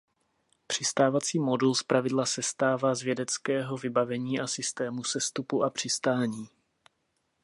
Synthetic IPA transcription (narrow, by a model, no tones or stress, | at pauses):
pr̝̥ɪst̪aːvat͡siːmo̞dulspɾavɪdlasɛst̪aːvaːzvjɛdɛt͡skɛːɦo̞vɪbavɛɲiːʔasɪst̪ɛːmusɛst̪upuʔapr̝̥ɪst̪aːɲiː